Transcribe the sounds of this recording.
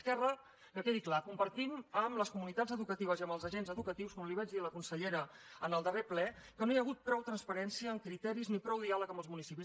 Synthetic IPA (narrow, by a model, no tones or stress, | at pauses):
skɛrə | kəkeðiklakumpəɾt̪iməmləskumunit̪ad͡zəðukət̪iβ̞əziəmbəlˠzəʒenzəðukət̪iwskɔmliβɛd͡ʒd̪ðiələkunsəʎeɾəənəlˠd̪əreplɛ | kənojəɣut̪̚pɾɔwt̪ɾənspəɾɛnsiəːŋkɾit̪ɛɾiznipɾɔwðialəkəmbəlzmunisipi